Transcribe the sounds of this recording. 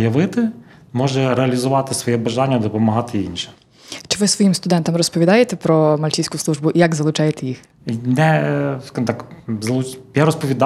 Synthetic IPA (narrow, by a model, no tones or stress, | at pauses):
jɐʋɪt̪ɪ | mɔʒɛɾeɐlʲizʊʋɑt̪ɪsʋɔjɛbɐʒanʲːɐd̪ɔpɔmɐɦɑt̪ɪinʲʃɛ̥ | t͡ʃɪʋɪsʋɔjimst̪ʊd̪ɛnt̪ɐmrɔspɔʋʲid̪ɑjet̪ɛpɾɔmɐlʲt͡ʃʲisʲkʊslˠuʒbʊʔijaɡzɐlˠʊt͡ʃɑjet̪ɛjix | nɛskaʒmt̪ɑkzɐlˠut͡ʃjaɾɔspɔʋʲid̪